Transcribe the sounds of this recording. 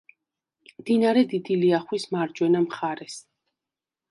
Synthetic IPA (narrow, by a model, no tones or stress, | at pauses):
md̪inaɾɛd̪id̪iliaχwismaɾd͡ʒwɛnamχaɾɛs